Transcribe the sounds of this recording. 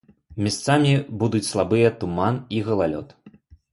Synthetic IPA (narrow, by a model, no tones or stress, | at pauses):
mʲast̪samʲibud̪ut͡sʲslˠabɨjɐt̪umaniɣɐlˠalʲɔ̰t̪